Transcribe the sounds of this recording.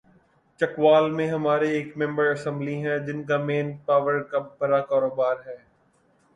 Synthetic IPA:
t͡ʃɐkʋaːlmẽɦɐmaːɾeeːkmɛ̃mbəɾɐsɛ̃mbliɦɛ̃d͡ʒɪnkameːnpaːʋəɾkɐb̚ːɐɾakaːɾoːbaːɾɦɛː

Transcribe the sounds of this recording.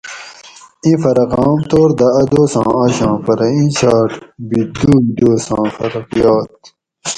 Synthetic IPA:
ĩfɐɾɐqɑːmt̪oːɾd̪ɐːd̪oːsɑ̰̃ːɐɕɑ̃ːfɐɾɐĩt͡ɕʰaːʈbid̪uːd̪oːsɑ̃ːfɐɾɐkjɑːt̪̚

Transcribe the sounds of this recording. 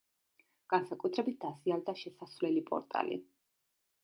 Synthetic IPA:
ɡ̥ansakʼut̪ʰɾɛbit̪̚ʰd̪asiald̪aʃɛsasvlɛlipʼɔ̰ɾt̪ʼa̰lḭ

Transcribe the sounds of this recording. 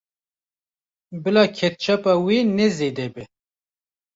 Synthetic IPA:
bɨlaːkʰɛt̪̚t͡ʃʰapaːwenɛzeːd̪ɛbɛ

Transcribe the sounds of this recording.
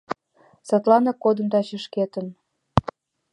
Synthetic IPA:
sɑt̪lɑnɑkod̪ə̆mt̪ɑt͡ɕə̆ʃket̪ə̆n

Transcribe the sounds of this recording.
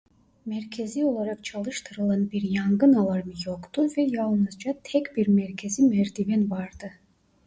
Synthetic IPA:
mæɾkʲʰezio̞lˠaɾɑqt͡ʃʰɑlˠɯʃt̪ʰɯɾɯlˠɑnbiɾjɑŋɡɯnɑlˠɑɾmɯjoqt̪uvɛjɑlˠnɯzd͡ʒɑt̪ʰɛkbiɾmæɾkʰezimæɾd̪ivɛnvɑɾd̪ɯ

